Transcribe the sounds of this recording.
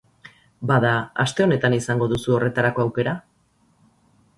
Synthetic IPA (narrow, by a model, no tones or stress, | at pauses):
baðaast̪e̞o̞ne̞t̪anisaŋɡo̞ðusuo̞re̞t̪aɾako̞awke̞ɾa